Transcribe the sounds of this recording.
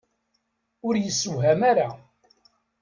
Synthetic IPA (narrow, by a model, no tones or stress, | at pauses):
ʊɾjəsːuɦæmaɾa